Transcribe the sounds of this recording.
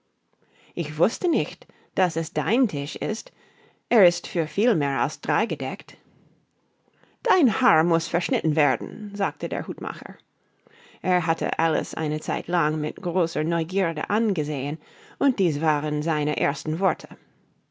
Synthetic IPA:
ʔɪçv̥ʊstənɪçt | d̥asɛsd̥aɪntʰɪʃɪ̰st | ʔeːɐɪstfyːɐfiːlmeːɹa̰lsd̥ʁaɪɡədɛkt | d̥aɪnhaːɹmʊsfɛɐʃnɪtn̩veːɐdn̩zaːk̚tədḛːɐhuːtma̰χə̰˞ | ʔeːɐɦatʰə̰ʔa̰lə̰sʔa̰ɪnət͡sa̰ɪtʰlaŋmɪ̰tɡ̥ʁoːsə˞nɔʏɡiːʁdə̰ʔanɡəzeːən | ʔʊnt̚d̥iːsv̥aːʁənzaɪnəʔeːɐstn̩vɔɹtʰə̥

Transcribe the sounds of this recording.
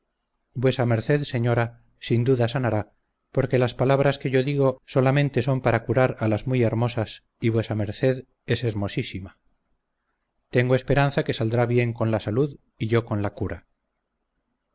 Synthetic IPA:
bwe̞same̞ɾθe̞ðse̞ɲo̞ɾa | sind̪uðasanaɾa | po̞ɾke̞laspalaβ̞ɾaske̞ʝo̞ðiɣo̞so̞lamẽ̞nt̪e̞so̞mpaɾakuɾaɾalazmuje̞ɾmo̞sas | iβwesame̞ɾθe̞ð | e̞se̞ɾmo̞sisima | t̪e̞ŋɡoespe̞ɾan̟θake̞sald̪ɾaβje̞ŋko̞nlasaluð | iʝo̞ko̞nlakuɾa

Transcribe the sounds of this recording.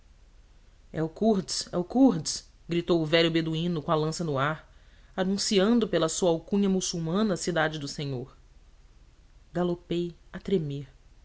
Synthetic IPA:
ɛ̰ʊkuɾdsɛ̰ʊkuɾd͡ʒs | ɡɾit̪owʊvɛɾjʊbed̪uĩnʊkõɐlɐ̃sɐnʊaɾ | anũsiɐ̃nd̪ʊpelɐsuɐawkũɲɐmusuwmɐ̃nɐːsid̪ad͡ʒɪd̪ʊsẽɲoɾ | ɡalopejat̪ɾemeɾ

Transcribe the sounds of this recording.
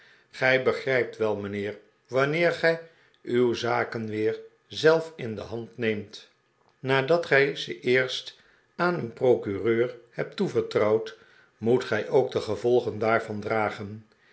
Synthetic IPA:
χɛjbəχrɛjp̚tʋɛlˠmənɪːr | ʋɑnɪːɹχɛj | ywzaːkənʋɪːɹ | zɛlˠfɪndə̰ɦɑntnejmt | naːdɑtχɛjzəʔɪːɹst | aːnənprowkyrøːɹhɛp̚tuvəɹtrɑwt | mutχɛjʔowɡ̚dəχəvɔlˠχəndaːɹvɑndraːχən

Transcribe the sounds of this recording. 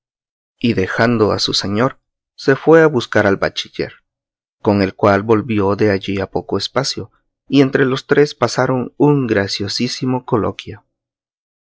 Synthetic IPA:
iðe̞xand̪o̞a̰suseɲo̞ɾ | se̞fwe̞aβuskaɾalba̰t͡ʃiʝe̞̰ɾ | ko̞ŋe̞lkwalbo̞lbjo̞ðe̞aʝiapo̞ko̞espasjo̞ | ie̞nt̪ɾe̞lo̞st̪ɾe̞spasaɾo̞ŋuŋɡɾasjo̞sisimo̞ko̞lo̞̰kjo

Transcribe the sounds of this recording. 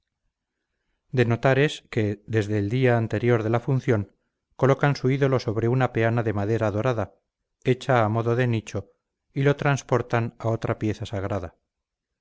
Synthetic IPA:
d̪e̞no̞t̪aɾe̞ske̞ðe̞zðe̞ːld̪iaːnt̪e̞ɾjo̞ɾðe̞lafunθjo̞ŋ | ko̞lo̞kansuiðo̞lo̞so̞β̞ɾe̞unape̞anaðe̞maðe̞ɾaðo̞ɾaða | e̞t͡ʃaːmo̞ðo̞ðe̞nit͡ʃo̞ | ilo̞t̪ɾanspo̞ɾt̪anao̞t̪ɾapje̞θasaɣɾaða

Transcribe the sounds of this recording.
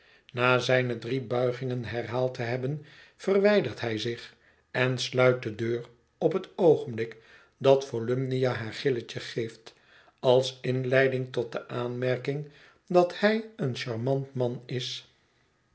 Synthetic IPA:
naːzɛjnədribœɥχɪŋənɦɛrɦaːlˠtəɦɛbən | fərʋɛjdərtɦɛjzɪχ | ɛnslœɥt̚dədøːr | ɔpɦətowχənblɪk | dɑtfolømnijaɦaːɹχɪlət͡ʃəχejft | ɑlˠsɪnlɛjdɪŋtɔt̚dəʔaːnmɛɹkɪŋ | dɑthɛjənʃɑɹmɑntmɑnɪs

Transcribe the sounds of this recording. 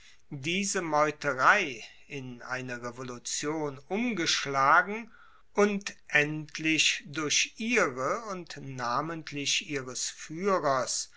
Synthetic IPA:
diːzəmɔʏtəʁaɪ | ɪnʔa̰ɪnɐʁevolut͡sjoːnʔʊmɡəʃlaːɡŋ̩ | ʔʊntʔɛntʰlɪʃdʊɐɕʔiːʁəʊntnaːməntʰlɪʃʔiːʁəsfyːʁɐs

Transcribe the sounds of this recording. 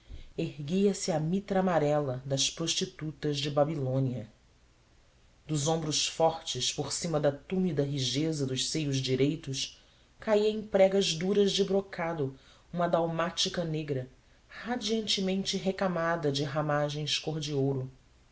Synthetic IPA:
eɦɡiɐsɪɐmit̪ɾaːmaɾɛlɐd̪ɐspɾoʃt͡ʃit̪ut̪ɐzd͡ʒɪbabilõniɐ | d̪ʊzõbɾʊʃfɔɾt͡ʃɪspoɾsĩmɐd̪ɐt̪umid̪ɐɦiʒezɐd̪ʊʃsejʊzd͡ʒiɾejt̪ʊʃ | kaiɐẽpɾɛɡɐzd̪uɾɐzd͡ʒɪbɾokʰad̪ʊ | ũmɐd̪awmat͡ʃikɐneɡɾɐ | had͡ʒiɐ̃nt͡ʃɪmẽnt͡ʃɪɦekamad̪ɐd͡ʒɪɦamaʒẽj̃skoɾd͡ʒiowɾʊ

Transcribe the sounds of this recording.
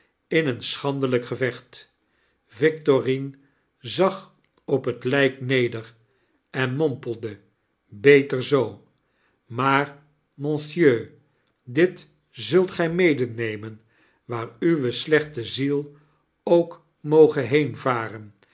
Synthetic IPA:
ɪnənsχɑndələkχəvɛχt | vɪk̚torin | zɑχ | ɔpɦətlɛjknejdər | ɛnmɔmpəl̩ˠdə | bejtəɹzow | maːɹ | mɔ̃nsjøː | dɪt | zɵlˠtχɛjmejdənejmən | ʋaːɹyʋəslɛχtəzilˠ | owk | mowχəɦejnvaːrən

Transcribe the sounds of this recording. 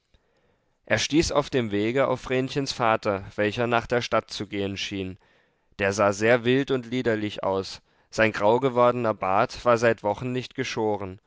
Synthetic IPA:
ʔeːɐʃtiːsa̰ʊfd̥eːmveːɡəa̰ʊfʁ̥eːnçənsfaːtɐv̥ɛlçɐnaːχd̥eːɐʃtatt͡suɡeːənʃiːn | d̥eːɐzaːzeːɐvɪltʊntliːdɐlɪçʔa̰ʊs | z̥aɪnɡʁaʊɡəvɔɐdənɐbaːɐtv̥aːɐzaɪtv̥ɔχn̩nɪçtɡ̥əʃoːʁən

